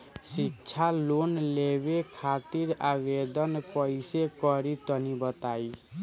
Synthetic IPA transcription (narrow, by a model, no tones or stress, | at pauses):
sikt͡ʃʰalonleβekʰat̪iɾabed̪ɔnkɔjsekɔɾit̪ɔnibɔt̪aj